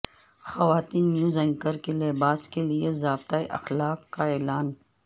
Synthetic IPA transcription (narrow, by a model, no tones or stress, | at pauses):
xɐʋaːt̪iːnːjuːzɛ̃ŋkəɾkeleːbaːskeliezaːb̚t̪aːeʔɐ̰xlaːkːaɛːlaːn